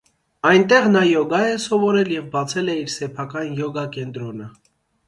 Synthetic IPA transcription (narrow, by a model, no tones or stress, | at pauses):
ɑjnt̪ɛʁnɑjɔɡɑjɛsɔvɔɾɛljɛvbɑt͡sʰɛlɛiɾsɛpʰɑkɑnjɔɡɑkɛnt̪ɾɔnə